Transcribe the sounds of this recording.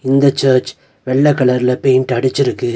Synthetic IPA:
ɪnd̪ɐt͡ʃːɐːɾt͡ʃ | ʋɛɭːɐkːɐɭɐɾɪlɐpejɪnʈɐɽɯt͡ʃːɪɾɯkːɯ

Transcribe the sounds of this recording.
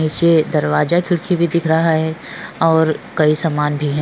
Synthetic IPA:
iːt͡ʃed̪ɐɾʋaːzakʰɪɽkʰibʱid̪ɪkʰɾɐɦaɦɛː | ɔːɾkɐisamaːnbʱiɦɛ̃

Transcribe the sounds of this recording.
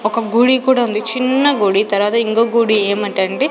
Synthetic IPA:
ɔkɐɡuɽikuːɽaːund̪it͡ʃinːɐɡuɽit̪ɐɾʋaːt̪ɐiŋkoːɡuɽieːmɐɳʈɐɳɖi

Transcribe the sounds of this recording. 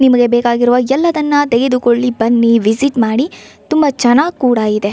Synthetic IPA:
nimɐɡe̞beːkaːɡiɾuʋɐɛlːɐd̪ɐnːɐt̪eɡed̪uko̞ɭːibɐnːiʋisiʈmaːɽi | t̪umbɐt͡ʃɐnaːɡkuːɽɐid̪e̞

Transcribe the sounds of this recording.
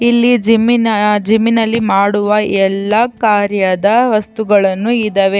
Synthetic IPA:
ilːid͡ʒiminɐd͡ʒiminɐlːimaːɽuʋɐʔɛlːɐkaːɾjɐd̪ɐʋɐst̪uɡɐɭɐnːuid̪ɐʋe̞

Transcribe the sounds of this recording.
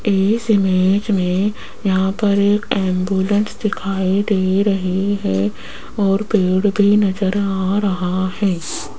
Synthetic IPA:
eːsɪmeːd͡ʒmẽ | jɐɦãpɐɾeːkɛ̃ːmbjuːlə̃nsd̪ɪkʰaːid̪eːɾɐɦiɦɛː | ɔːɾpeːɽbʱinɐd͡ʒəɾaːɾɐɦahɛː

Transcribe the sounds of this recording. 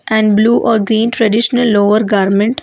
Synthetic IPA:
ʔɛ̃ɳɖbluːʔɔːɾɡɾĩːnʈɾɐɖɪʃənəlːoːʋəɾɡaːɾmə̃ɳʈ

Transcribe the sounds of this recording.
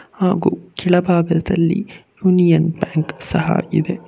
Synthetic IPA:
haːɡuːkiɭɐbʱaːɡɐd̪ɐlːḭjuːnijɐnbjaːŋksɐɦɐ̰id̪e̞

